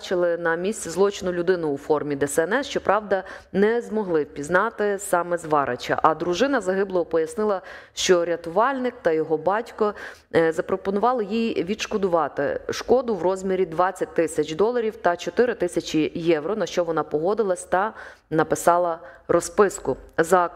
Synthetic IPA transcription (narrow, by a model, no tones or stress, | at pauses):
t͡ʃɪlˠɪnɐmʲisʲt͡sʲizlˠɔt͡ʃɪnʊlʲʊd̪ɪnʊːfɔrmʲid̪ɛsɛɛnɛsʃt͡ʃɔpɾʔɑwd̪ɐnɛzmɔɦlˠɪwpʲiznɑt̪ɪsɑmɛzʋɑɾʔɐ̰t͡ʃɐ̰ʔɐd̪ɾʊʒɪnɐzɐɦɪblˠɔɦɔpɔjɐsnɪlˠɐʃt͡ʃɔɾʲɐt̪ʊʋɑlʲnɪk̚t̪ɐjɔɦɔbɑtʲkɔ | zɐpɾɔpɔnʊʋɑlˠɪjijʋʲid̪ʃkɔd̪ʊʋɑt̪ɪ̰ʃkɔd̪ʊwrɔzʲmʲiɾʲid̪ʋɑt͡sʲːɐt̚ʲt̪ɪsʲɐt͡ʃd̪ɔlˠɐɾʲiwt̪ɐt͡ʃɔt̪ɪɾɪt̪ɪsʲɐt͡ʃijɛwɾɔnɐʃt͡ʃɔʋɔnɑpɔɦɔd̪ɪlˠɐsʲt̪ɐ | nɐpɪsɑlˠɐrɔspɪskʊzɑk